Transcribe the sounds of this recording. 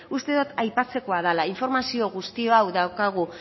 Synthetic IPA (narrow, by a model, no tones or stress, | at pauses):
ust̪e̞ðot̪ajpat͡se̞ko̞aðalaiɱfo̞ɾmasio̞ɣ̞ust̪io̞awðawkaɣ̞u